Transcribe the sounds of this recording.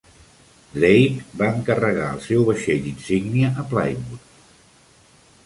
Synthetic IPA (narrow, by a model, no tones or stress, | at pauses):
dejk̪baəŋkərəɣa̰ə̰lˠsɛwβəʃeʎinsiɡniəʔəpla̰jmut̪